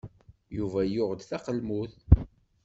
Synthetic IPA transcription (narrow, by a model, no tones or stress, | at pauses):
juvæjʊʁd̪θæqəlmuθ